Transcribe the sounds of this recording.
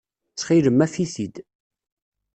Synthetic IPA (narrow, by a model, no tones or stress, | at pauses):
t͡sːχiləmːæfiθid̪